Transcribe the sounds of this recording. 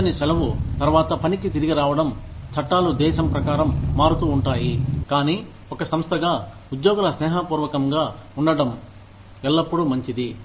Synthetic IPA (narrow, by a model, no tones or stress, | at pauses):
ɐnisɛlɐʋut̪ɐɾʋaːt̪ɐpɐnikit̪iɾiɡiɾaːʋɐɽɐmt͡ʃʰɐʈːaːlud̪ɛːʃɐmpɾɐkaːɾɐmːaːɾut̪uːɳʈaːjikaːniː | ɔkɐsɐmst̪ʰɐɡaː | ud̪jɔːɡɐlɐsnɛːɦaːpuːɾʋɐkɐmɡaːuɳɖɐɽɐm | ɛlːɐpːuɽumɐɲt͡ʃid̪i